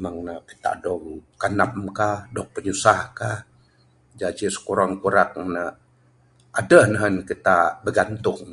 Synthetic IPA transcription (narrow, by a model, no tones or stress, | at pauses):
maŋnəki̥t̪a̰dɔŋkanap̚mkahdɔŋ̚pəɲusakah | d͡ʒat͡ʃisə̥kuɾaŋkuɾak̚nə | ʔadəhnəɦənkit̪abəɡant̪ʊŋ